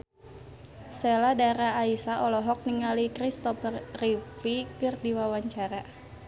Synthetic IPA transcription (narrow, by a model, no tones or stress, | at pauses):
seladaɾaːisaʔɔlɔɦɔk̚niŋalikɾist̪ɔprifikɨrdiwawaɲt͡ʃaɾa